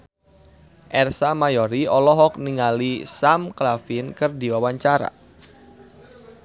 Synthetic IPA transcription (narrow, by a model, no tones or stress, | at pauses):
ʔɛrsamajɔɾiɔlɔɦɔk̚niŋalisamklafinkɨrdiwawaɲt͡ʃaɾa̰